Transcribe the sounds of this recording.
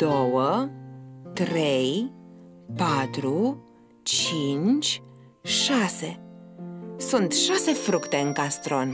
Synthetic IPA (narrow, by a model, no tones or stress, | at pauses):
d̪̥owə | t̪ɾej | pat̪ɾu | t͡ʃint͡ʃʲ | ʃase̞ | sunt̪ʃase̞fɾukt̪e̞ɨŋkast̪ɾo̞n